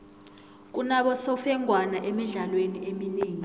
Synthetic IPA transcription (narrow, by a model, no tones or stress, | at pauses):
k̬unaɓɔsɔfɛŋʱwanaʔɛmiɮalweniemineːŋi